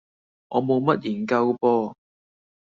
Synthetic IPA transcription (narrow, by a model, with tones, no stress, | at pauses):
ʔɔː˨˧mo˨˧wmɐ˦˥t̚ji˨˩nkɐ˧wpɔː˥